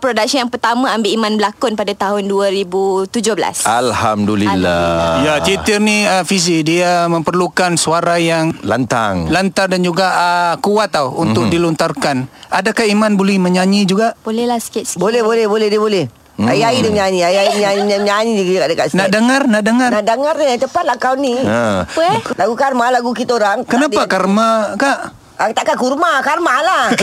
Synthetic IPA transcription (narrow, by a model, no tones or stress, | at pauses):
pɾodak̚səjaŋpərt̪amãambɪʔimãnbəlakʊnpadat̪aɦʊnduaɾibut̪ud͡ʒʊhbəla̰salhamdulilːa̰jat͡ʃit̪ɪrniəfis̬idiamə̃mpərlukansuaɾajaŋla̰nt̪a̰ŋlant̪ardand͡ʒuɡaʔəkuat̪awunt̪ʊk̚dilunt̪arkanadakahimanbolɛhməɲaɲid͡ʒuɡaʔbolɛlasə̥kit̪sbolɛbolɛhbolɛdiəbolɛh | a̰iaidəɲaɲiaiaimɲaɲiɲaɲaɲidiɡkaʔdəka̰ʔsnaʔdəŋarnaʔdəŋarnadəŋarnit̪əpat̪lakawniə | laɡukarmalaɡukit̪oɾaŋkənapakarmakaʔ | at̪aʔkakurmakarmalah